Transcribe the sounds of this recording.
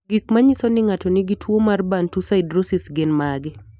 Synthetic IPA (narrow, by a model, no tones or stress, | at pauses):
ɡɪk̚maɲisonɪŋatonɪɡitwomarbantusaɪdɾosɪsɡɪnmaɡɪ